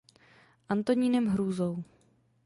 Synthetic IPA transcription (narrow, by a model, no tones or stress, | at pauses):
ʔant̪o̞ɲiːnɛmɦɾuːzow